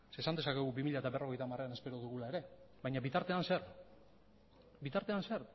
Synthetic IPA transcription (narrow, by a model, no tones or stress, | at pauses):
se̞ːsand̪esake̞ɣubimiʎaet̪aβe̞ro̞ɣejt̪amare̞ane̞spe̞ɾo̞ðuɣulaeɾe̞βajɲaβit̪aɾt̪e̞anseɾ | bit̪aɾt̪e̞anseɾ